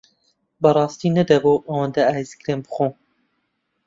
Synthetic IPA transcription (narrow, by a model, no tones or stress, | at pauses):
bɐrˤɑːst̪iːnɐd̪ɐboːʔɐwɐnd̪ɐaːjizkɾeːnbɨ̥χo